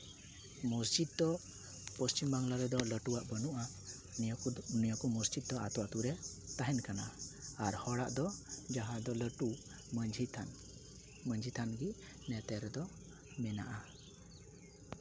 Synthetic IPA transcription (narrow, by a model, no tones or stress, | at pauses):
mɔsd͡ʒid̪̚d̪ɔ | pəst͡ʃimbaŋlaɾɛd̪ɔləʈuwaʔbənuʔa | nijakɔmɔsd͡ʒid̪̚d̪ɔat̪ɔwat̪uɾɛt̪aɦɛnkanaːɾhɔɽaʔd̪ɔd͡ʒaɦãd̪ɔləʈu | md͡ʒʱi | məɲd͡ʒʱit̪ʰanɡi | nɛt̪ɛɾɛd̪ɔ | mɛnaʔa